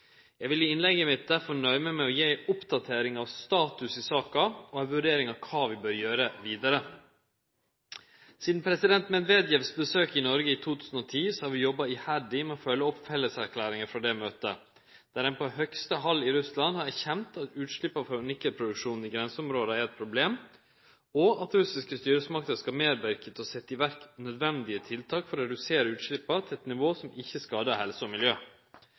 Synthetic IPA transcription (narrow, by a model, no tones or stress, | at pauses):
jæɪʋɪlɪɪnlɛɡəmɪt̪̚d̪æɾfɔɳœʏməmɛɔjeːʔʊpd̪ɑt̪ʰeːɾɪŋɑʋst̪ɑːt̪ʉsɪsɑːkɑɔɛʋʉɖeːɾɪŋɑʋkʰɑːʋɪbœɾjøːɾəʋiːd̪ɑɾə | siːd̪n̩pʰɾɛsɪd̪ɛnt̪mɛd̪ʋeːd̪jɛʋsbəsøːkɪnɔɾɡəiːt̪ʰuːt̪ʰʉːsn̩ɔt̪ʰiːsɔhɑɾʋɪjɔbːɑɪhæɖɪmɛɔfœlːəɔpfɛlːəsæɾkʰlæːɾɪŋəfɾɑd̪ɛmøːt̪ə̰ | d̪̥æːɾɛnpʰɔhœkst̪əɦɑlːɪɾʉslɑnhɑɾæɾçɛnt̪ɑt̪ʉːt̪ʂɭɪpːɑfɔɾʉnɪkːəɾpʰɾʊd̪ʉkʂuːnn̩ɪɡɾɛnsəʊmɾoːd̪əæɾɛt̪̚pʰɾʊbleːm | ɔɑt̪ɾʉsɪskəst̪yːɾəsmɑk̚t̪əskɑmeːɾʋæɾkət̪ɔsɛt̪ːɪʋæɾknœd̪ʋɛnd̪ɪət̪ʰɪlt̪ʰɑːkfɔɾɔɾɛd̪ʉseːɾəʉːt̪ʂɭɪpːəɾt̪ʰɪlɛt̪nɪʋoːsɔmɪçːəskɑːd̪əhɛlsəɔmɪljøː